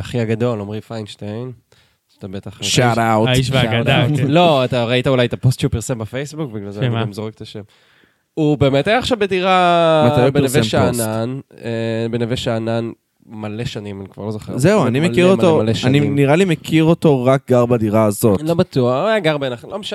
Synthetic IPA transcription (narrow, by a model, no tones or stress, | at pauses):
aχiaɡad̪o̞lomʁifajnʃtajn | at̪abet̪aχʃaɾawtʃvaadalo̞at̪aʁaitaulajt̪apostʃeupiʁsembafejsbukbiɡlalzeaɡamzoʁek̚t̪aʃem | ube̞ːmetajaːχʃavbediʁa | beevemʃananebeneveʃaanan | maleʃanimanikva̰ʁlozoχezeuanimekiʁomtoaleʃaniniʁalimekʰiʁoto̞ʁak̚ɡaʁbadiʁaːzotlobat̪uaχajaɡaʁbenaχlomeʃa